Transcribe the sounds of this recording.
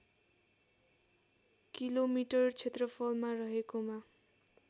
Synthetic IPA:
kilomiʈʌrt͡sʰet̪rʌpʰʌlmarʌɦekoma

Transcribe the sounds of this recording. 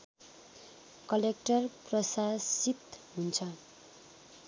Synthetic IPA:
kʌlek̚ʈʌrprʌsasit̪ɦunt͡sʰʌ

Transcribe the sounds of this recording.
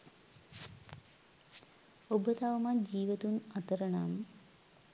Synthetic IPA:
obət̪aʋəmad͡ʒiːʋət̪unat̪əɾəna̰m

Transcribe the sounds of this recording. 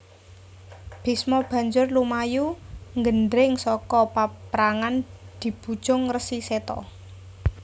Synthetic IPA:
b̥e̤smɔb̥ä̤ɲd͡ʒʊrlumajuŋɡənɖɾɪŋsɔkɔpapɾaŋand̪̥i̤b̥ṳ̥d͡ʒ̥ʊŋrəsiset̪ɔ̰

